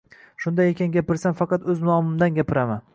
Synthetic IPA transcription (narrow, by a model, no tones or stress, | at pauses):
ʃʊnd̪ajekʲanɡʲapɪɾsanfɑqɑt̪ɵznɒmɪmd̪anɡʲapɪɾaman